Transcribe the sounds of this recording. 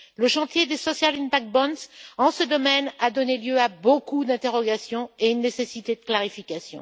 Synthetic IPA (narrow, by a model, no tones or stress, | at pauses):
ləʃɑ̃t̪jed̪esɔsjalinpak̚bɔ̃nsɑ̃səd̪ɔmɛnad̪ɔneljøabokud̪ɛ̃t̪eʁɔɡasjɔ̃eynːesesit̪ed̪əklaʁifikʲasjɔ̰̃